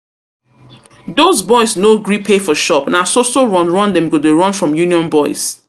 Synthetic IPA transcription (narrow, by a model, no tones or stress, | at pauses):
dozbɔɪznoɡɹipʰefɔʃɔpnasosoɹɔ̃nɹɔ̃ndɛ̃mɡodeɹʌ̃nfɹɔ̃mjuniɔ̃nbɔɪz̥